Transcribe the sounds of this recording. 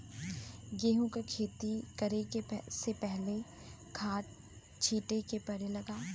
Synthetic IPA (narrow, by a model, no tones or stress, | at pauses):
ɡeːɦũkakʰeːt̪ikɐɾekesepɛɦle | kʰaːʈ̚ | t͡ʃʰiːʈekepɐɾelɐɡaː